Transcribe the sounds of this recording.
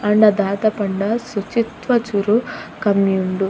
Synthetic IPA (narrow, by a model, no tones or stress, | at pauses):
ɐɳɖɐd̪aːt̪ɐpɐɳɖɐsut͡ʃit̪ʋɐt͡ʃuɾukɐmjuɳɖu